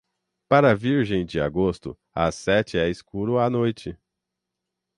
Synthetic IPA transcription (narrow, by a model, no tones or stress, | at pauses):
paɾɐviɾʒẽj̃d͡ʒɪa̰ɡost̪ʊ̰ | a̰sɛt͡ʃɪɛɪskuɾʊanojt͡ʃɪ